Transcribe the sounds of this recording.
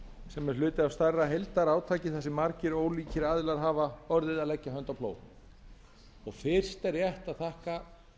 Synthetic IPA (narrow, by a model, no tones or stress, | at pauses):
sɛmɛɾlʏːt̪ɪavst̪arːaɦejlt̪aɾaːwt̪ʰaːcɪθɛsːɪmːaɾcɪɾoːwliːcɪɾaːðɪlaɾ̥ɦaːvaɔɾðɪðaðlɛcːaɦœnt̪awpʰlo̰ːw | ɔɣfɪr̥st̪ɛɾjɛht̪aðθahka